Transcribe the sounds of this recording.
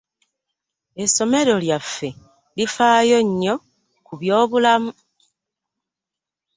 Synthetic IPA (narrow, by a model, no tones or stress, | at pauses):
e̞so̞me̞ɾo̞ljafːe̞ | lifaːjo̞ɲːo̞ | kuβjo̞ːβulamu